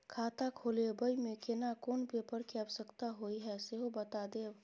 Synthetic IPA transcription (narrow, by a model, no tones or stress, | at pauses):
kʰaːt̪akʰoːlebəimẽkenakoːnpepəɾkeəbsəkt̪aɦoiɦɛseɦobət̪ad̪eːb